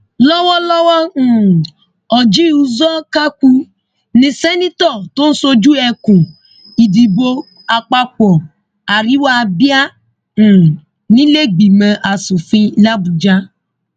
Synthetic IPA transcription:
lɔ˦wɔ˦lɔ˦wɔ̃˦˨ | ɔ˨d͡ʒi˦u˧zɔ˦ka˦ku˧ | nĩ˧sɛ˦nĩ˦tɔ˦˨to˦n̩˦so˧d͡ʒu˦ɛ˧kũ˨ | i˨di˨bo˧ | a˧k͡pa˦k͡pɔ˨ | a˨ɾi˦wa˦˧bi˦ã˦˨ | nĩ˦le˦ɡ͡bi˨mɛ̃˧ʔa˨su˨fĩ˧la˦bu˧d͡ʒa˦

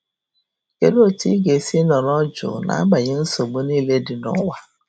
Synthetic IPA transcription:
ke˦ɾo˦ti˦ɡe˨si˦nɔ˨ɾɔ˦d͡ʒʊ̰˨na̰˨a˦ɡ͡ba˨ɲe˦n̩˦so˨ɡ͡bo˦niː˦le˦dɪ˨nɔ̰˦wa˨

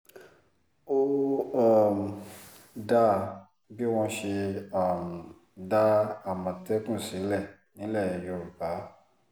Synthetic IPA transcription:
o˦a˦˨m˨ | da˦ | bi˦w̃ɔ̃˧ʃe˧a˦˨m˨ | da˦a˦˨mɔ̃˨tɛ˦kũ˦˨si˨˦lɛ˦˨ | nĩ˨˦lɛ˦˨i˨jo˨˦˨ɾu˨ba˨˦

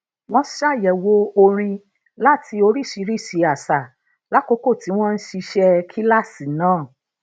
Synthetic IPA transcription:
w̃ɔ̃˦ʃa˦˨jɛ˨wo˧o˧ɾ̃ĩ˧ | la˦ti˧o˧ɾi˦˨ʃi˨˧˦ɾi˦˨ʃi˧a˨sa˨ | la˦ko˦ko˦˨ti˨˦w̃ɔ̃˦n̩˦ʃi˧ʃɛ˧kʰi˦la˦˨si˨nãː˦˨

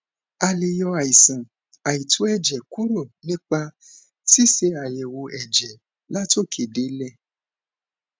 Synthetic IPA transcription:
a˧le˨jɔ˧a˨ji˨sã˨ | a˨i˨tʰu˨˦ɛ˦˨d͡ʒɛ˨ku˦ɾo˦˨nĩ˦k͡pa˧ | si˦˨se˧a˨jɛ˨wo˧ɛ˨d͡ʒɛ˨ | la˦to˦˨kʰe˨de˨˦lɛ˦˨

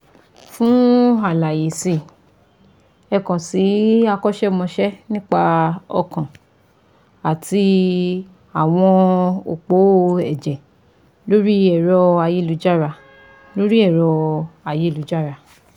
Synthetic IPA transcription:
fũ˦a˨la˨je˨si˧˨ | ɛ˧kã˨si˨˦a˧kɔ˦ʃɛ˦˧˨mɔ̃˧ʃɛ˦nĩ˦k͡pa˧ɔ̰˧kã˨ | a˨ti˧ | a˨w̃ɔ̃˧o˨k͡po˨˦ɛ̰˨d͡ʒɛ˨ | lo˨˦ɾi˦ɛ˨ɾɔ˧a˧je˨˦lu˨˦d͡ʒa˦ɾa˧ | lo˦ɾi˦ɛ˦˨ɾɔ˧a˨je˨˦˨lu˨˦d͡ʒa˦˨ɾa˧

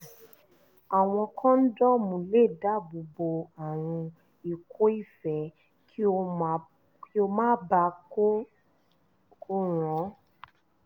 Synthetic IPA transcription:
a˨w̃ɔ̃˧kʰã˦n̩˦dɔ˦mũ˧˨le˦˨da˦˨bo˧bo˧a˨ɾ̃ũ˧ | i˨kʰo˨˦i˦˨fɛ˨˦ | kʰi˦o˧˨ | ki˦o˧mãː˦ba˧ko˦ | ko˦ɾ̃ɔ̃˨˦

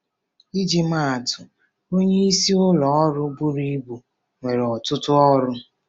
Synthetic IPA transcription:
i˦d͡ʒi˦m̩a˦˨a˨tʊ˨ | o˦ɲe˦i˦si˦ʊ˦lɔ˨ɔ˦ɾʊ˦bu˦ɾi˦bu˨ | ŋʷe˨ɾɔ˨tʊ˦tʊ˦ɔ˦ɾʊ˦

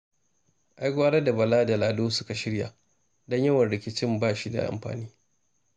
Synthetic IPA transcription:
ʔa˦jɡʷaː˦ɽɐ˦da˨bɐ˨laː˦da˨laː˨doː˦sʊ˦ka˨ʃɪ˦ɽja̰˨ | dɔ˦ɲjɐ˦wɐ˨nɽɪ˨kʲɪ˦t͡ʃɪ˦mbaː˦˨ʃi˦da̰˨ʔa̰˨mɸa̰ː˨niː˦

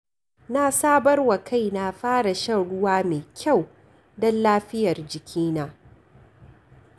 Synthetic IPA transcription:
naː˦˨saː˦bɐ˦rwa˨kʰa˦˨jna˨ɸaː˦ɽa˨ʃɐ˦˨ɽʊ˦waː˦meː˨kʲʰa˦˨w | dɔ˦nlaː˦ɸɪ˦jɐ˨rd͡ʒɪ˨kʲʰiː˦naː˨˦

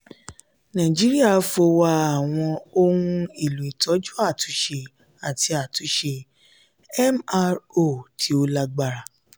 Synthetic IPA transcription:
nã˨d͡ʒi˨˦ɾi˦a˦˨˧fo˧wa˦˧a˨w̃ɔ̃˧o˦hũ˧i˦˨lu˨i˨tɔ˨˦d͡ʒu˦a˦˨tu˨˦ʃe˧ | a˨ti˧a˨tu˨˦ʃe˧ | ɛ˦ma˧ɾo˦˨tʰi˨˦o˧la˧ɡ͡ba˧ɾa˧

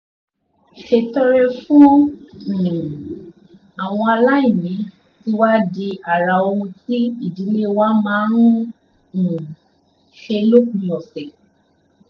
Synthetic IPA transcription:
ʃe˧tɔ˧ɾɛ˧fũ˦õ˦˨ | a˨w̃ɔ̃˧a˧la˦i˦˨mĩ˨˦ | ti˦wa˦di˧a˨ɾa˨o˧ũ˧ti˦i˦˨di˨˦le˦wa˦mãː˨˦ɾ̃ũ˦˨ | ʃe˧lo˦kũ˨jɔ̃˨sɛ˨

